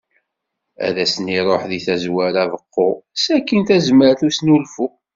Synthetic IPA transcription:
æ̰ðæsəniɾˤoħðiθæzwæɾavəqːosækːinθæzməɾθusnulfu

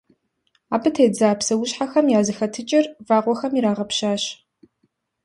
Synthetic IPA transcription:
aːbɨtʰeːd͡zaːpsɐwʊɕħaxɐmjaːzɨxɐtʰɨt͡ʃʼɪrvaːʁʷɔxɐmiɾaːʁɐpɕaːɕ

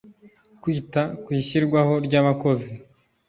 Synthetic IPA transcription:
kwiːtakwiːçiɾɡwaho̞ɾɟaːβako̞zi

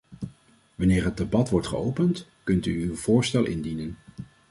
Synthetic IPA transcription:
ʋɑnɪːɹɦəd̚debɑtʋɔɹtχə̰owpəntkɵntyːwv̥ʊːɹstɛlˠʔɪ̰ndinən

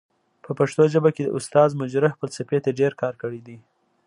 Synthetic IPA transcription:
pəpaʂt̪oʒəbaked̪ə̰ʔʊst̪ɑzmʊd͡ʒɾaxpəlsapet̪aɖeɾkɑɾkəɽid̪i

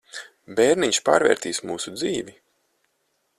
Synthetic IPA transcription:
bɛːɾniɲʃpa̰ːɾvʲɛ̰ːɾt̪iːsmuːsud̪ziːvi

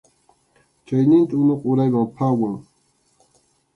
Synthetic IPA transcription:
t͡ʃajnɪnt̪aʊnoqʊɾajwampʰawaŋ

